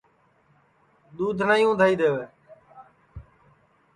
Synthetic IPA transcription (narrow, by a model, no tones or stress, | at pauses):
ɗ̪uːd̪ʱnaːjũːd̪ʱaːiːd̪eːʋeː